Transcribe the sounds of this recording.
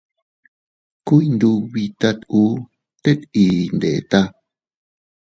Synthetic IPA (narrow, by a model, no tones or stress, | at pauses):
kujnd̪uwit̪at̪u | t̪et̪ind̪et̪a